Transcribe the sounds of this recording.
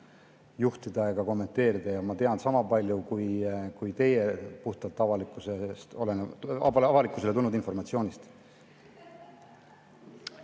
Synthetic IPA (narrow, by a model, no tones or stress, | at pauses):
juht̪id̪̥ɑeɡ̥ɑko̞mːe̞nt̪ːˑe̞ːɾid̪̥ɑjɑmɑt̪e̞ɑnsɑmɑpɑlʲjukujkujt̪e̞je̞puht̪ɑt̪ːɑvɑlikːˑusest̪o̞lenɑvɑlikːˑusele̞t̪ulnːud̪info̞rmɑt̪sio̞ːnʲist̪